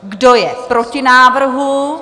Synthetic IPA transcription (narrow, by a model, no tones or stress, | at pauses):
ɡdo̞jɛpɾo̞cɪnaːvr̩ɦu